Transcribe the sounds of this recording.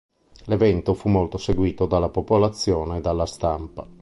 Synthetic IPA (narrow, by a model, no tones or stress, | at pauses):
levɛnt̪ofumːolt̪oseɡwiːt̪od̪alːapopolat̪sːjoːneːd̪alːast̪ampa